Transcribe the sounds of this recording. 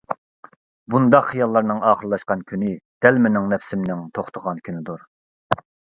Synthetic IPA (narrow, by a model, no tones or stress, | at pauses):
bund̪ɑqχijɑlˠːɑɾnɨŋɑːχəɾlˠɑʃqɑnkʲʰynɪd̪̥ɛlmɪnɪŋnɛpsɪmnɪŋt̪ʰoχt̪ʰəʁɑnkʲʰynɪd̪uɾ